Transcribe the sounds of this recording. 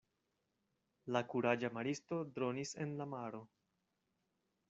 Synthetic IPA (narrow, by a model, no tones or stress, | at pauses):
lakuɾad͡ʒamaɾisto̞dɾo̞nise̞̰nlamaɾo̞